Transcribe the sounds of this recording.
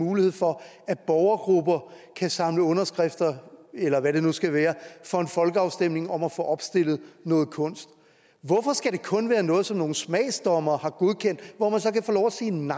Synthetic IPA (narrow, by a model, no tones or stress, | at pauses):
uːlihe̝ð̰ˠfɒ̽ | æ̥b̥ɒʊɐɡ̥ʁub̥ɐkʰæsɑ̈mləɔ̽nɐsɡ̥ʁɛfd̥ɐelɐʋæɾe̝nusɡ̥æʋæːɐfɒ̽e̝nfɒ̽lɡ̥əɑ̈ʊsd̥em̰ne̝ŋɒ̽mæfɔ̰ːʔɒ̽b̥sd̥e̝l̰ð̞̩ˠnɔːð̩ˠkʰɔ̽n̰sd̥ | ʋɒfɒ̽sɡ̥æɾ̥e̝kʰɔ̽nʋæːɐnɔ̽ːð̞̩ˠsɒ̽mno̝ːn̩smɛ̰ːsd̥ɒmɐːhɑ̈ɡ̥o̝ð̞ˠkʰen̰d̥ʋɒmænsɒ̽kæfoːlɒʊæsḛːnɑ